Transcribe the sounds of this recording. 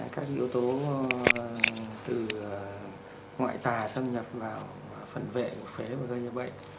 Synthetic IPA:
kaː˦˥k̚ʔḭ˧əwt̪o˨˦ | t̪ɨ˨˩˨ | ŋwa̰ː˧˨jt̪aː˨˩sə˧mɲə˨˩p̚vaː˨˩w | fə˨˩nvḛ˧˨mu˨˩t̚fe˨˦vaː˨˩ɣəː˧ɲə˧˩ɓə̰˧˨jŋ

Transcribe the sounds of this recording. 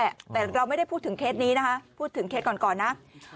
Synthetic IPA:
t̪ɛː˨˩ɾa˧wma˥˩jda˥˩jpʰuː˥˩t̪ʰɯ˩˦ŋkʰeː˦˥t̪̚niː˦˥na˦˥kʰa˦˥ʔpʰuː˥˩t̪ʰːɯ˩˦ŋkʰe˦˥t̪̚kɔː˨˩nkɔː˨˩nːa˦˥ʔ

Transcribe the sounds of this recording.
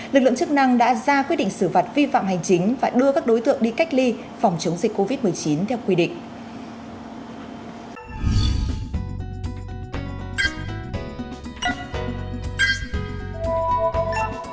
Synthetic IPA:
lɨ˨˩k̚lɨ˧˨t͡ɕɨ˦˥k̚na˧ŋɗa̰ː˧˥zaː˧kwi˦˥t̚ɗḭ˧˨ŋsɨ˧˩fa˨˩t̚vi˧fa̰˧˨mha˨˩jŋ̟t͡ɕï˨˦ŋ̟vaː˨˩ɗɨ˧əkaː˦˥k̚ɗo˨˦jt̪ɨ̰˧˨əŋɗi˧ka˦˥jk̟̚li˧ | fa˨˩wŋ͡mt͡ɕə˨˦wŋ͡mzi˨˩k̟ko˧vi˦˥t̚m˨˩əjt͡ɕi˨˦nt̪ʰɛ˧wkwi˧ɗḭ̈˧˨ŋ̟

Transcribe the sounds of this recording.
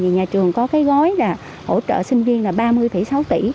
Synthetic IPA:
i˨˩ɲaː˨˩t͡ɕɨ˨˩əŋkɔ˨˦kaː˨˦jɣɔ˨˦jlaː˨˩ | ho̰˧˩t͡ɕə̰ː˧˨sï˧ŋ̟vi˧ənlaː˨˩ɓaː˧mɨ˧əjfə̰˧˩sa˨˦wt̪ḭ˧˩

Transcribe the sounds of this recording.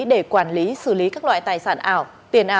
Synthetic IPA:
ɗe˧˩kwaː˧˩nli˨˦sɨ˧˩li˨˦kaː˦˥k̚lwa̰ː˧˨jt̪aː˨˩jsaː˧˩nʔaː˧˩w | t̪i˨˩ənʔaː˨

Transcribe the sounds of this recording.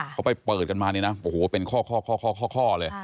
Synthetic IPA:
kʰa˦˥wpa˧˩jpɤː˨˩t̪̚ka˧nmaː˧niː˦˥˩na˦˥ʔo˨˩hoː˨˩˦pe˧nkʰɔː˥˩kʰɔː˥˩kʰɔː˥˩kʰɔː˥˩kʰɔː˥˩kʰɔː˥˩lɤː˧j

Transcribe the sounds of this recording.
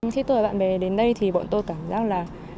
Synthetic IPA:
k̪ʰi˨˦˥t̪u˧˩˨ɓ̰a̰ː˧˨nɓɛ˨˩ɗe˨˦nɗə˧jt̪ʰi˨˩ɓɔ̰˧˨nt̪o˧jkaː˧˩mzaː˦˥k̚laː˨˩

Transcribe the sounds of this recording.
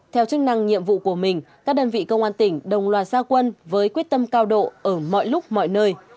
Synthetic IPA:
t̪ʰɛ˧wt͡ɕɨ˦˥k̚na˧ŋɲḭ˧˨əmvṵ˧˨ku˧˩əmï˨˩ŋ̟kaː˦˥k̚ɗəː˧nvḭ˧˨kə˧wŋ͡mʔaː˧nt̪ï˧˩ŋ̟ɗə˨˩wŋ͡mlwaː˨˩t̚zaː˧kwə˧nvəː˨˦jkwi˦˥ət̚t̪ə˧mkaː˧wɗo̰˧˨ʔəː˧˩mɔ̰˧˨jlʊ˦˥k͡p̚mɔ̰˧˨jnəː˧j

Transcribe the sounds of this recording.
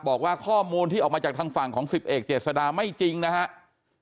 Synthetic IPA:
bɔː˨˩k̚waː˥˩kʰɔː˥˩muː˧nt̪i˥˩ɔː˨˩kmaː˧aː˨˩k̚t̪ʰaː˧ŋfa˨˩ŋkʰɔː˩˦ŋsi˨˩p̚ʔeː˨˩k̚t͡ɕeː˨˩t̪̚sa˧daː˧ma˥˩jt͡ɕi˧ŋna˦˥kʰa˦˥ʔ

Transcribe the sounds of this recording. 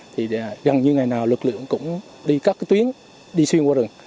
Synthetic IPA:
t̪ʰi˨˩˨ɣa˨˩ŋɲɨ˧ŋa˨˩jnaː˨˩wlwɨ˨˩k̚lɨ̰˧˨əŋkʊ̰˧˥ŋ͡m | ɗi˧kaː˦˥k̚ːt̪wi˨˦ən | ɗi˧swi˧ənkwaː˧ɾɨ˨˩ŋ

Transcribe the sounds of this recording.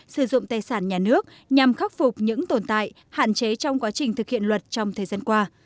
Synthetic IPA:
sɨ˧˩zʊ̰˧˨ŋ͡mt̪aː˨˩jsaː˧˩nɲaː˨˩nɨ˦˥ək̚ | ɲa˨˩mxa˦˥k̚fʊ˨˩k͡p̚ɲɨ̰˧˥ŋt̪o˨˩nt̪a̰ː˧˨j | ha̰ː˧˨nt͡ɕe˨˦t͡ɕɔ˧wŋ͡mkwaː˨˦t͡ɕï˨˩ŋ̟t̪ɨ˨˩k̚hḭ˧˨ənlwə˨˩t̚t͡ɕɔ˧wŋ͡mt̪ʰəː˨˩zaː˧nkwaː˧

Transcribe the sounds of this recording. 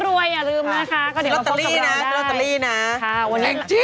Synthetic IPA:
ɾu˧əjaː˨˩lɯː˧mna˦˥kʰa˦˥kɔː˥˩dt̪ːliː˥˧˩na˧˦˥a˥t̪ːa˧liː˥˩na˦˥a˧˩o˧˦a˨˧˩t͡ɕi˧˦

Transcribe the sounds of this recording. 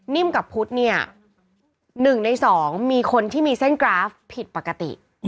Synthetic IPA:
ni˥˩˨mka˨˩pʰu˦˥t̪̚ni˥˩ɐ | nɯ˨˩ŋna˧jsɔː˩˦ŋmiː˧kʰo˧nt̪ʰiː˥˩miː˧se˥˩nkɾaː˦˥fpʰːi˨˩t̪̚pa˨˩kːa˧t̪ḭ˨˩ʔ

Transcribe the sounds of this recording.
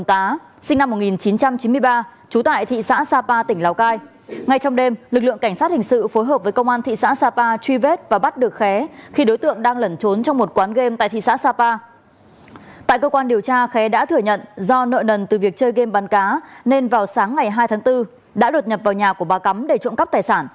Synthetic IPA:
t̪aː˨˦ | sï˧ŋ̟na˧mːo˨˩t̚ŋi˨˩nt͡ɕi˨˦nt͡ɕa˧mt͡ɕi˨˦mɨ˧əjɓaː˧t͡ɕu˨˦t̪a̰ː˧˨jt̪ʰḭ˧˨sa̰ː˧˥saː˧paː˧t̪ï˧˩ŋ̟la˨˩wkaː˧j | ŋa˧jt͡ɕɔ˧wŋ͡mɗe˧mlɨ˨˩k̚lɨ̰˧˨əŋka˧˩ŋ̟saː˦˥t̚hï˨˩ŋ̟sɨ̰˧˨fo˨˦jɦəː˨˩p̚vəː˨˦kə˧wŋ͡mʔaː˧nt̪ʰḭ˧˨sa̰ː˧˥saː˧paː˧t͡ɕwi˧ve˦˥t̚vaː˨˩ɓa˦˥t̚ɗɨ˨˩ək̚xɛ˨˦xi˧ɗo˨˦jt̪ɨ̰˧˨əŋɗaː˧ŋlə˧˩nt͡ɕo˨˦nt͡ɕɔ˧wŋ͡mmo˨˩t̚kwaː˨˦nɣe˧mt̪a̰ː˧˨jt̪ʰḭ˧˨sa̰ː˧˥saː˧paː˧ | t̪a̰ː˧˨jkəː˧kwaː˧nɗi˨˩əwt͡ɕaː˧xɛ˨˦ɗa̰ː˧˥t̪ʰɨ˧˩əɲə̰˧˨nzɔ˧nə̰ː˧˨jnə˨˩nt̪ɨ˨˩vi˨˩ək̚t͡ɕəː˧jɣe˧mɓa˨˦nkaː˨˦ne˧nvaː˨˩wsaː˨˦ŋːa˨˩jɦaː˧jt̪ʰaː˨˦ŋt̪ɨ˧ | ɗa̰ː˧˥ɗo˨˩t̚ɲə˨˩p̚vaː˨˩wɲaː˨˩ku˧˩əɓaː˨˩ka˨˦mɗe˧˩t͡ɕɔ̰˧˨nkə˦˥p̚t̪aː˨˩jsaː˧˩n

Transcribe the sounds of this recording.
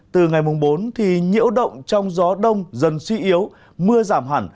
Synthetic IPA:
t̪ɨ˨˩ŋa˨˩jmo˨˩ŋ͡mɓo˨˦nt̪ʰi˨˩ɲḭ˧˥əwɗə̰˧˨wŋ͡mt͡ɕɔ˧wŋ͡mzɔ˨˦ɗə˧wŋ͡mzə˨˩nswi˧ʔi˨˦əw | mɨ˧əzaː˧˩mɦaː˧˩n

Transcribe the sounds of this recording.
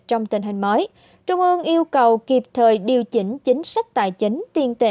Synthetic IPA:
t͡ɕɔ˧wŋ͡mt̪ï˨˩ŋ̟ɦï˨˩ŋ̟məː˨˦j | t͡ɕʊ˧ŋ͡mʔɨ˧əŋʔi˧əwkə˨˩wki˨˩p̚t̪ʰəː˨˩jɗi˨˩əwt͡ɕï˨˦ŋ̟t͡ɕï˨˦ŋ̟sa˦˥k̚t̪a̰ː˧˨jt͡ɕi˨˦ŋ̟t̪i˧ənt̪e˧

